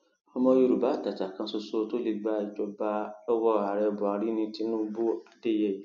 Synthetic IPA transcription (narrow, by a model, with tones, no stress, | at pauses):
ɔ˧mɔ̃˧˦jo˦˧ɾu˨ba˨˦˨ta˨ta˨kã˧˦so˧so˦to˦li˧ɡ͡ba˧˦i˨d͡ʒɔ˧ba˧lɔ˦wɔ˦a˨ɾɛ˧˨bɔ˨a˨ɾi˨˦nĩ˧ti˦nũ˦bo˦a˨de˦˨jɛ˦˨ji˨˦